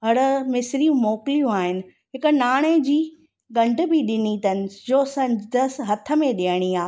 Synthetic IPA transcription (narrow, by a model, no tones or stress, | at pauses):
ɦɐɽ̆mɪsɾijũmoːklijũaːɦɪnɪ̆ | ɦɪkʊ̆naːɽ̃ed͡ʑiː | ɡɐ̃ɳɖ̆bɪɗɪnit̪ɐnɪ̆d͡ʑoːsɐ̃ɲd͡ʑd̪əsɦɐt̪ʰə̆mẽɗiəɽ̃iaː